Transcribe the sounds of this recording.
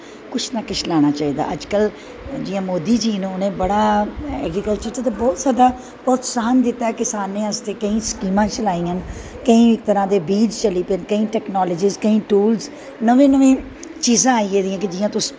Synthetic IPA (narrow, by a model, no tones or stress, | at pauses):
kʊt͡ʃʰnaːkɪt͡ʃʰlaːɽ̃aːt͡ʃaːiːd̪a̰ːʔəd͡ʒkəl | d͡ʒɪjãːmoːd̪iːd͡ʒiːnũːʊnẽːbəɽaːɛ̰ːɡɾikəlt͡ʃəɾt̪et̪eːbɔːt̪saːd̪aː | pɔːt̪saːnd̪ɪt̪ːaːɛːkɪsaːnːẽːəst̪eːkəĩːskiːmãːt͡ʃəlaːĩːən | kəĩːɪk̚t̪əɾãːd̪eːbiːd͡ʒt͡ʃəliːpeːnkəĩːʈɛːknɔːləd͡ʒiːzkəĩːʈuːlz | nəʋẽːnəʋẽː | t͡ʃiːzãːaːieːd̪ijãːk̬ɪd͡ʒɪjãːt̪ʊs